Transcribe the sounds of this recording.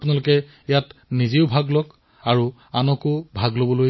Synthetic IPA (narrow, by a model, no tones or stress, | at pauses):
punalʊkɛ | jatnizeʊbʱaɡlɔk | aɹu | anɔkʊbʱaɡlobɔloj